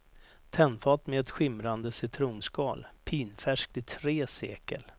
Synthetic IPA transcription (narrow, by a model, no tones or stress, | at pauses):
t̪ʰɛnfɑːt̪mɛɛt̪ɧɪmɾand̪əsɪt̪ʰɾuːnskɑːlpʰiːnfæʂk̚t̪ɪt̪ʰɾeːseːkə̰l